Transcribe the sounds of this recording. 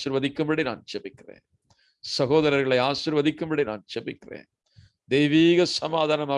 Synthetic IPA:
ɪɾʋɐðɪkːɯmbɐɽina̰ːnt͡ʃɛbɪkːɪrḛːn | sɐɣoːðɐɾɐɾɣɐɭɐɪaːʃɪɾʋɐðɪkːɯmbɐɽina̰ːnt͡ʃɛbɪkːɪrḛːn | d̪ɛjʋiːɣɐsɐmaːðaːnɐmaː

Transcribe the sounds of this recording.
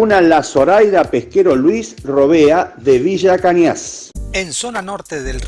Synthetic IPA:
unalaso̞ɾajðapehkeɾolwisroβeaðeβiʒakanjasensonanoɾt̪eðel

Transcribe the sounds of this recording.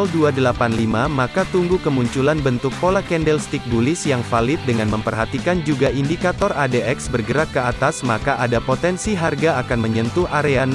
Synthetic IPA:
lduadəlapanlimamakat̪uŋɡukəmuɲt͡ʃulanbənt̪ʊk̚polakɛndɛlst̪ik̚bulɪsjaŋfalɪt̪̚dəŋanməmpərɦat̪ikand͡ʒuɡaʔindikat̪ɔradeɛksbərɡəɾak̚kːəat̪asmakaʔadapot̪ɛnsiɦarɡaːkanməɲənt̪uhaɾean

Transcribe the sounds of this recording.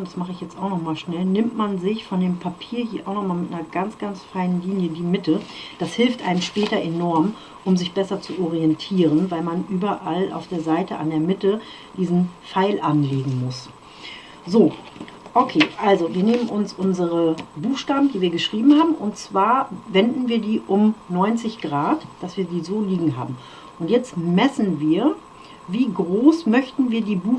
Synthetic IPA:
d̥asmaχəɪçjɛt͡staʊxnɔχmaːlʃnɛlnɪmtmanzɪçfɔndeːmpʰapʰiːɐhiːɐʔaʊxnɔχmaːlmɪtnɐɡ̥ant͡sɡ̥ansfaɪnənliːnjədiːmɪtəd̥ashɪlftʔa̰ɪnəmʃpɛːtɐʔenɔɐm | ʔʊmzɪçb̥ɛsɐt͡suʔɔʁiɛntʰiːʁ̞ənvaɪlmanʔyːbɐʔala̰ʊfd̥eːɐzaɪtəʔa̰ndeːɐmɪtə | d̥iːzn̩faɪlʔanleːɡŋ̩mʊs | zoːʔokʰeːʔalzoviːɐneːmənʔʊnsʔʊnzəʁəbuːxʃtaːbm̩diːviːɐɡəʃʁ̥iːbm̩haːbm̩ʔʊntt͡sv̥aːɐvɛndn̩viːɐdiːʔʊmnɔʏnt͡sɪçɡ̥ʁaːtd̥asv̥iːɐdiːzoːliːɡŋ̩ɦa̰ːbm̩ | ʔʊntjɛt͡stmɛsn̩viːɐ | viːɡʁoːsmœçtn̩viːɐdiːbuː

